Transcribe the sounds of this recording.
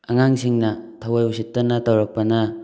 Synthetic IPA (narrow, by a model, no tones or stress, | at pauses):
ɐŋaŋsiŋnɐtʰɐwajusitːɐnɐtɐwɾɐk̚pɐnɐ